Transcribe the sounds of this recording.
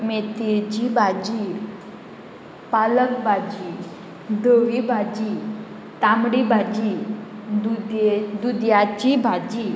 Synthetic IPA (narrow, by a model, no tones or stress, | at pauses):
met̪ed͡ʑibʱad͡ʑiːɾ | paləkbʱad͡ʑiː | d̪əʋibʱad͡ʑi | t̪amɽibʱad͡ʑid̪ud̪d̪ud̪jat͡ɕibʱad͡ʑi